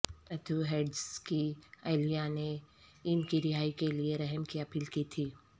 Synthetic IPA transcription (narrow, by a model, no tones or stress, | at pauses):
ɐd̪uɦeːɖskiaːɪlijane | ɪnkiɾɪɦaːikelieɾɛɦəmkijapʰɪlkit̪ʰiː